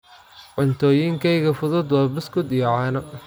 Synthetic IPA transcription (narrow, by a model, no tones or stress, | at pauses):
ʕʊnt̪ʰɔːjiŋkʰɛjɣɐfʊðʊd̪wɑːbɪskʊd̪ijɔʕɑnɐ